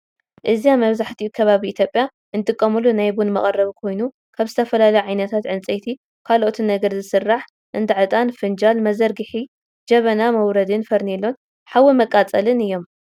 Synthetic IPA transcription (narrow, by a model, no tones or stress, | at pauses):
ʔɨziamɐβzaħt̪ʰiukʰɐβaβiit̪ʰjo̞pʼja | ʔɨnt̪ʼɨkʼːɐmulunajbunmɐχʼɐrːɐβikʰo̞jnu | kʰaβzɨt̪ʰɐfɐlalɐjʕajnɐt̪ʰat̪ʕɨnt͡sʼet̪ʰi | kʰalʔot̪ʰinɐɡɐɾzɨsɨrːaħ | ʔɨnd̪ɨʕɨt̪ʼanfɨnd͡ʒalmɐzɐɾɡɨħi | d͡ʒɐβɐnamɐwɾɐd̪ɨnfɐɾnelːon | ħawimɐkʼat͡sʼɐlɨnɨjːo̞m